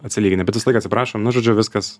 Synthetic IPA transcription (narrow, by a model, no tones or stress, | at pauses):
ɐt̪ʲsʲɪlʲiːɡʲɪnɐbʲɛt̪ʋʲɪslˠɐɪkːɐtʲsʲɪpɾɑːʃomnʊʒoːd͡ʒʲʊʋʲɪskɐs